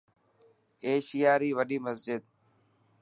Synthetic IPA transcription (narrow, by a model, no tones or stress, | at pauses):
eːʃɪjaːɾiːʋəɗiːməsd͡ʒɪd̪